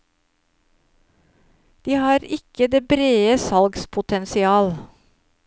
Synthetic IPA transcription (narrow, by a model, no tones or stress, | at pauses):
d̪̥iːhɑːɾɪkəd̪eːbɾeːəsɑlɡspʰʊt̪ʰɛnsɪɑːl